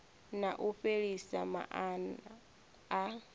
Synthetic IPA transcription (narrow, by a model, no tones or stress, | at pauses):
naʔuɸeɺisama̰ʔanː